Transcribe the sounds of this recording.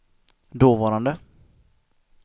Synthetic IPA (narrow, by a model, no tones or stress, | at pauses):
d̪oːvɑːɾand̪ə